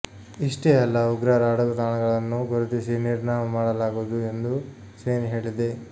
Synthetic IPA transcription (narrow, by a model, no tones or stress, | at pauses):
iʂʈeɛlːɐuɡɾaːɾaːɽɐɡɐt̪aːɳɐɡɐɭɐnːuɡoɾit̪isiniɾnaːmɐmaːɽɐlaːɡuːd̪ue̞nd̪u | seːniɦe̞ːɭid̪e̞